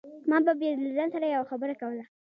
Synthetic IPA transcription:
mɑbabjedlazansaɾajawaxabəɾakawəla

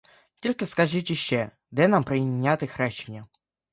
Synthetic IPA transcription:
t̪ʲolʲkəskɐʐɨtʲɪɕːɛ | d̪ɛnampɾənʲat̪ɨxɾaɕːɪnʲə

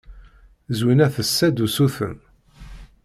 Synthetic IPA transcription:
zwinæθəsːæd̪usuθə̰n

